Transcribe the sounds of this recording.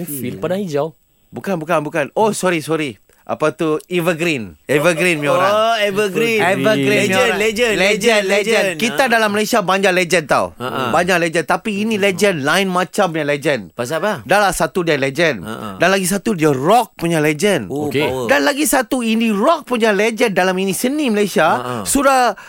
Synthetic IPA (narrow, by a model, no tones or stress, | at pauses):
filpadãid͡ʒaw | bukanbukanbukanosɔɾisɔɾi | ʔa̰pat̪uivəɡɾinɛvəɡɾinmĩoɾaevəɡɾivəɡɾiəled͡ʒəlɛd͡ʒənlɛd͡ʒənnkiadalaməlasiabaɲd͡ʒalɛd͡ʒənt̪a̰wbaɲaʔlɛd͡ʒənt̪apiːnilɛd͡ʒənlãjnmãt͡ʃampuɲaled͡ʒənpaspadalahsat̪udialed͡ʒəndanlaɡis̬at̪udiarɔk̚puɲalɛd͡ʒənkdanlaɡisat̪uinirɔk̚puɲaled͡ʒəndalaminĩsənĩməlajsiasudah